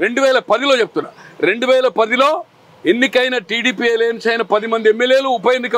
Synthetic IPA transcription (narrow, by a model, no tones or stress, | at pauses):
ɾe̞ɳɖuʋɛːlɐpɐd̪ilo̞ːt͡ʃep̚t̪unːaːɾe̞ɳɖuʋɛːlɐpɐd̪ilo̞ː | enːikɐjnɐʈiːɖiːpieleːnsɐjnɐpɐd̪imɐnd̪iemːeljeːluːpɐjend̪ikɐ